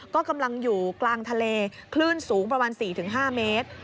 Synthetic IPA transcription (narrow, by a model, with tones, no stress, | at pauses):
kɔː˥˩ka˧mla˧ŋjuː˨˩klaː˧ŋt̪ʰa˧leː˧kʰlɯː˥˩nsuː˩˦ŋpɾa˧maː˧nsiː˨˩t̪ʰɯ˩˦ŋɦaː˥˩meː˦˥t̪̚